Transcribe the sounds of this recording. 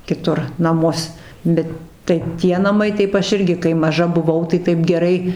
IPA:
kʲɪˈtʊr nɐˈmʊs ˈbʲɛt tɐɪ ˈtʲiɛ nɐˈmɐɪ ˈtɐɪp ˈɐʃ ˈɪrʲɡʲɪ kɐɪ mɐˈʒɐ bʊˈʋɐʊ tɐɪ ˈtɐɪp ɡʲɛˈrɐɪ

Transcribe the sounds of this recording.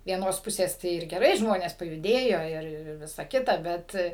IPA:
ʋʲiɛˈnoːs ˈpʊsʲeːs ˈtɐɪ ɪr ɡʲɛˈrɐɪ ˈʒmoːnʲeːs pɐjʊˈdʲeːjoː ˈɪr ˈɪr ɪr ˈʋʲɪsɐ ˈkʲɪtɐ ˈbʲɛt

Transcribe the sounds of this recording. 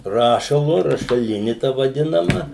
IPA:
ˈrɑːʃɐlˠʊ rɐʃɐˈlʲɪnʲɪ tɐ ʋɐˈdʲɪnɐmɐ

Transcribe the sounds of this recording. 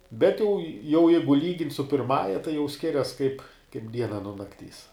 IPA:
ˈbʲɛt jɛʊ jɛʊ ˈjɛɪɡʊ ˈlʲiːɡʲɪnʲtʲ sʊ pʲɪrˈmɑːjɛ tɐɪ jɛʊ ˈsʲkʲɪrʲɛs kɐɪp ˈdʲiɛnɐ nuɔ nɐkˈtʲiːs

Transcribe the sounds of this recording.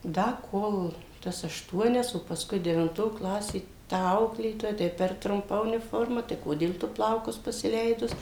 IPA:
ˈdɐ ˈkoːlˠ ˈtɐs ɐʃˈtuɔnʲɛs oː pɐˈskʊɪ dʲɛʋʲɪnˈtoː ˈklˠɑːsʲeː tɐ ˈɐʊklʲeːtoːjɛ ˈtɐɪ pʲɛr trʊmˈpɐ ʊnʲɪˈfoːrmɐ tɐɪ ˈkoːdʲeːlˠ ˈtʊ ˈplˠɐʊkʊs pɐsʲɪˈlʲɛɪdʊs

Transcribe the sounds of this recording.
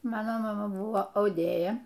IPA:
ˈmɑːnoː mɐˈmɐ ˈbʊʋoː ɐʊˈdʲeːjɛ

